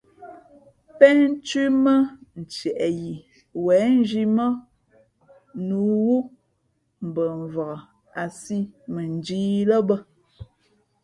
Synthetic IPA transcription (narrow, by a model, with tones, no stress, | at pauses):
pɛ˦t͡ʃi˦mə˦n̩˨t͡ʃɛ˨ʔɛ˨ji˨ | wɛː˨˦n̩˦d͡ʒi˦mə˦ | nu˨˦wu˦ | m̩˨bə˨ɱ˨və˨ɣə˨ | a˨si˦mə˨n˨˦d͡ʒiː˦lə˦bə˦